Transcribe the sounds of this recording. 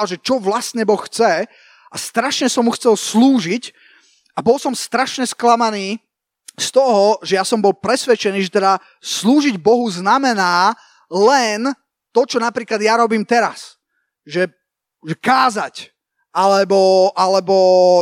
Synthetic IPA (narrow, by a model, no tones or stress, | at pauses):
lʒɛt͡ʃɔʋlasɲɛbɔxxt͡sɛ | ʔast̪ɾaʃɲɛsɔmːuxt͡sɛlsluːʒic | abɔlsɔmst̪ɾaʃɲɛsklamaniː | st̪ɔɦɔʒɛjasɔmbɔlpɾɛsʋɛt͡ʃɛniːʒɛt̪ɛd̪a | sluːʒiɟbɔɦuznamɛnaː | lɛn | t̪ɔt͡ʃɔnapɾiːklad̪jaɾɔbiːmt̪ɛɾas | ʒɛ | ʒɛkaːzac | ʔalɛbɔʔalɛbɔ